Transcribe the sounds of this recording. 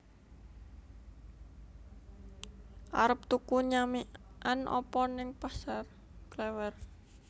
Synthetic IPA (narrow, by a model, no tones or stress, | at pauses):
ʔaɾəp̚t̪ukuɲamiʔanʔɔ̰pɔnɪŋpasar | klɛwɛr